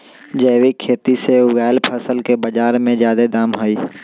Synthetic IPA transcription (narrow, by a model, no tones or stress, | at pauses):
d͡ʒəːwikʰeːt̪iseʊɡaːɪlpʰəsəlkebəd͡ʒaːɾmẽd͡ʒjaːd̪ed̪aːmɦoiː